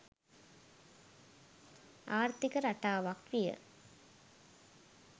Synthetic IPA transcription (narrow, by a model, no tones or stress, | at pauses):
aːɾt̪ikɐɾɐʈaːʋak̪ʋijə̰